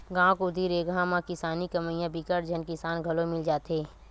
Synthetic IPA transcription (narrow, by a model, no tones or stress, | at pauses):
ɡãːkod̪ʱiːɾeːɡãmãkɪsaːnikɐməijãbikəɾd͡ʒɐnkɪsaːnɡʱɐlomɪld͡ʒaːt̪eː